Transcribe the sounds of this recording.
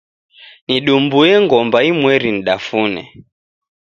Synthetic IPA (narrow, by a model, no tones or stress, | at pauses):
niɗumbujɛŋɡɔmbaimwɛɾiniɗafunɛ̰